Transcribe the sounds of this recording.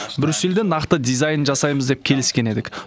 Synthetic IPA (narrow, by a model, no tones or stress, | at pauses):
bɪɾʏseld̪enɑqt̪əd̪ijzɑjnʒɑsɑjməzd̪ep̚kʲʰe̞lɪskʲe̞ne̞d̪ɪkʲ